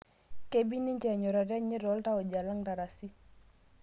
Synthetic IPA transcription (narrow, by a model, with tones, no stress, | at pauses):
ke˦bi˦ni˦ɲt͡ʃɛ˨ɲɔ˨ɾa˨ɾɛ˦ɲi˦ɾɔ˨˦lta˦o˨d͡ʒa˨la˦ŋta˨ɾa˨si˦